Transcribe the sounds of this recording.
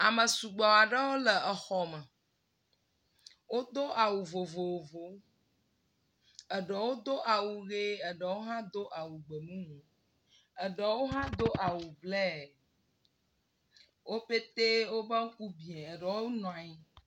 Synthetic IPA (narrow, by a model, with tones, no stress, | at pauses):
a˨mə̃˨su˨ɡ͡bɔ˨a˨ɖə˦wo˦lə˨ə˨xɔ˨mə˨ | wo˦d̪o˦ʔa˨wu˨vo˨vo˨vo˨ | ə˨ɖɛ˨wo˦d̪o˦ʔa˨wu˨ɣe˦ə˨ɖɛ˨wo˦ɦã˦d̪o˦ʔa˨wu˨ɡ͡be˨nũ˦mũ˨ | ə˨ɖɛ˨wo˦ɦã˦d̪o˦ʔa˨wu˨blɛ˦˨ | wʔo˦pe˦t̪e˦wo˦bə˦ŋ̩˦ku˦bi˨ɛ˨e˨ɖɛ˨wo˦nɔ̃˨a˨i˦